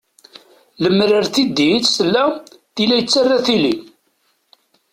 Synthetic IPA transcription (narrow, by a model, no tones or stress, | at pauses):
ləmːɾəɾθid̪itsəlːæθilæjt͡sːarːaθili